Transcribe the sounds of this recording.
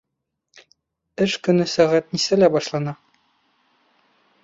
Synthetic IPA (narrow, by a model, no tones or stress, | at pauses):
ɘʃkɵ̆nɘsæʁæt̪nisælæbɒʃlˠɑnɑ